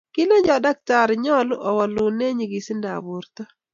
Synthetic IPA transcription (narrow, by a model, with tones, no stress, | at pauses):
kɪ˦le˦d͡ʒɔ˨da˦k̚ta˨ɾɲɔ˦lɔ˨wɔ˨lʊ˨ne˦ɲi˨ɡɪ˨sɪ˦nda̰˨bu˨ɾt̪ɔ˦